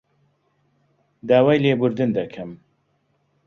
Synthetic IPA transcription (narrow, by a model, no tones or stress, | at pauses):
d̪aːwaːjleːbʊɾd̪ɨnd̪ɐkʰɐm